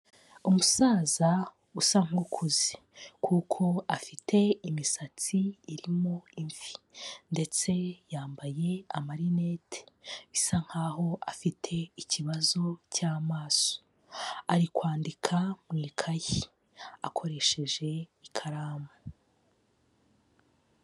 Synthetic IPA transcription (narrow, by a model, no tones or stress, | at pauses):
umusaːza | usaŋukʰuzi | kʰuːkʰo̞afitʰe̞imisat͡siːɾimoiɱvi̥nde̞t͡se̞jaːmbaje̞amaɾinetʰe̥βisaŋ̥haːho̞afitʰe̞iciβazo̞caːmaːso̥ | aɾikwaːndikʰamŋiːkʰaji | akʰo̞ɾe̞ʃe̞ʒe̞ikʰaɾaːma